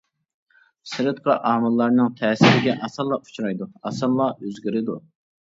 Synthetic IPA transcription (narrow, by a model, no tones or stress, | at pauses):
sɪɾɨt̪̚qʰɑʔɑːmɨlˠːɑɾnɨŋt̪ʰɛːsɪɾɪɡʲɛʔɑsɨlˠɑu̥t͡ʃʰɾɑjd̪uɑsɑɾlˠɑøzɡʲiɾɪd̪u